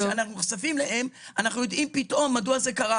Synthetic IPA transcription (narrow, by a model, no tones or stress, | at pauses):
anaχnuχsafimlehe̞manaχnujo̞d̪ʔimpit̪ʔo̞mːaduaze̞kaʁa